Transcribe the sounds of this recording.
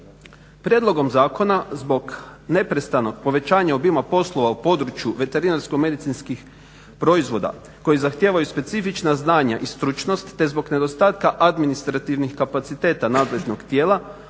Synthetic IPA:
pɾjed̪lo̞ɡo̞mzaːko̞nazbo̞ɡne̞pɾe̞st̪ano̞k̚po̞ʋe̞t͡ɕaːɲaobimapo̞slˠo̞ʋaupo̞ːd̪ɾut͡ʃjuʋe̞t̪e̞ɾinaɾskome̞d̪it̪inskix | pɾo̞izʋo̞d̪a̰ | ko̞jizaxt̪jeːʋajuspe̞t̪sifit͡ʃnaznaːɲaʔist̪ɾut͡ʃno̞st̪ːe̞zbo̞ɡne̞d̪o̞st̪aːt̪kaʔad̪minist̪ɾat̪iʋnixkapat̪sit̪e̞ːt̪anaːd̪leʒno̞kt̪je̞ːla

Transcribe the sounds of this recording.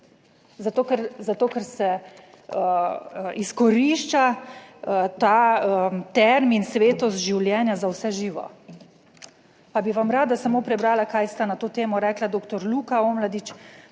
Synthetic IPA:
zat̪oːkɛɾzat̪oːkɛɾsɛ | iskɔɾiʃt͡ʃa | t̪aːt̪ɛɾminsʋeːt̪ɔst̪ʒiwljɛːnjazawsɛʒiːʋɔ̰ | pabiʋamɾaːd̪asamoːpɾɛbɾaːlakajst̪anat̪oːt̪eːmɔɾɛklad̪oːkt̪ɔɾlukaoːmlad̪it͡ʃ

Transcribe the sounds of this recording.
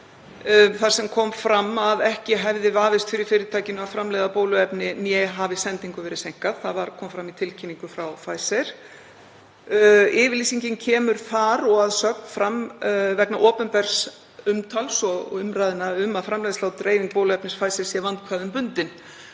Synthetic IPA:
θaɾ̥sɛmkʰɔːmfɾamːavɛhcɪɦɛvðɪvaːvɪst̪fɪɾɪɾfɪːɾɪt̪ʰaːjcɪnʏavfɾamlɛjðapoːwlʏɛpnɪnjɛɦavɪsɛnt̪iŋkʏvɛːɾɪsejŋ̥kaðθaðvaɾ̥kʰɔːmfɾamːit̪ʰɪlcʰɪnːiŋkʏfɾawfaːjsɛɾ̥ | ɪːvɪɾliːsiɲcɪncʰɛːmʏɾ̥θaɾɔɣaðsœk̚nfɾamvɛknaʔɔːpʏnpɛɾ̥s | ʏmt̪ʰalsɔɣɔ̰ʏmɾaːjðɪnaʏmaðfɾamlɛjðɪslaːwt̪ɾeːjviŋk̚poːwlʏɛpnɪsfaːjsɛɾ̥sjɛvant̪̚kʰvaðʏmpʏnt̪ɪn

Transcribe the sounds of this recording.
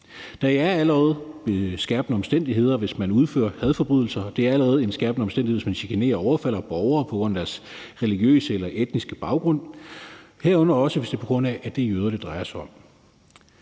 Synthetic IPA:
d̥ɑ̈æɐæləʁɛːð̞̩ˠb̥esɡ̥æɐb̥nəɒ̽msd̥en̰d̥iɦe̝ð̞̰ˠɐʋe̝smænuð̞ˠfø̰ːɐhæð̞ˠfɒ̽b̥ʁyð̞̰ˠl̩sɐd̥e̝æɐæləʁɛːð̞̩ˠe̝nsɡ̥æɐb̥nəɒ̽msd̥endieʋesmænɕikʰene̝̰ːɐɒʊɐfæl̰ɐb̥ɒʊɐːpʰɒ̽ɡ̥ʁɔ̽n̰ɐd̥æɐsʁɛliɡ̥jø̰ːsəelɐʔed̥nisɡ̥əb̥ɑ̈ʊɡ̥ʁɔ̽n̰ | heɐ̰ɔ̽n̰ɐɒ̽səʋe̝sd̥e̝pʰɒ̽ɡ̥ʁɔ̽n̰æʔːd̥ejøːð̞ˠɐd̥e̝d̥ʁɑ̈ɪɐsɑ̈ɒ̽m

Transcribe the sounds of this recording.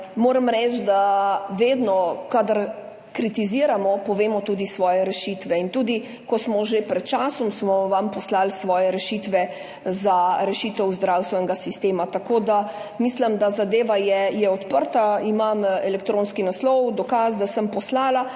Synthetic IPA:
moːɾamɾɛt͡ʃd̪aʋeːd̪nɔkad̪aɾ | kɾit̪iziːɾamɔpɔʋeːmɔt̪uːd̪isʋɔːjɛɾɛʃiːt̪ʋɛint̪uːd̪i | kɔsmɔʒepɾɛt̪̚t͡ʃaːsɔmsmɔʋampɔslalsʋɔːjɛɾɛʃit̪ʋɛ | zaɾɛʃiːt̪ɛwzd̪ɾawst̪ʋɛnɛɡasist̪eːmat̪akoːd̪amislɐmd̪azad̪eːʋajɛjɛɔt̪pəɾt̪aimamɛlɛkt̪ɾõːnskinaslɔwd̪ɔkaːsd̪asəmpɔslaːla

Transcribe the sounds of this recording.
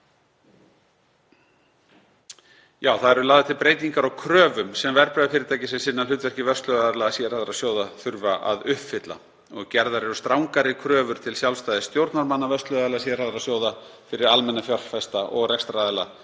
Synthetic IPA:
jaːwθaðɛɾʏlaːðɪt̪ʰɪlpɾeːjt̪iŋkaɾawkʰɾœːvʏmsɛmvɛɾpɾœðafɪɾɪɾt̪ʰaːjcɪsɛmsɪnːaʏːt̪vɛr̥cɪvœst̪lœðaɛlasjɛɾaðʏɾasjoːwðaθʏɾvaʔa̰ðʏhpfɪt̪la̰ | ɔɣcɛɾðaɾɛɾʏst̪ɾawŋkaɾɪkʰɾœːvʏɾ̥t̪ʰɪlsjawlst̪aːjðɪst̪jowɾt̪naɾmanːavœst̪lœðaɛlasjɛraðʏɾasjoːwðafɪɾɪɾalmɛnːafjɔr̥fɛst̪aʔɔɣrɛkst̪ɾaðɛla̰

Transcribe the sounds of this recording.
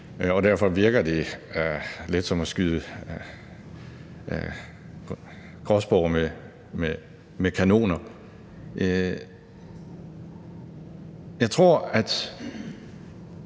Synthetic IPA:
ɒ̽d̥æɐfɒ̽ʋiɐɡ̥ɐd̥e̝ | led̥sɒ̽mɒsɡ̥yðˠə | ɡ̥ʁɒsb̥ɒme | me | mekʰæno̝̰ːnɐ | jɑ̈ɪt͡sʰʁo̝ɐ̰æd̥

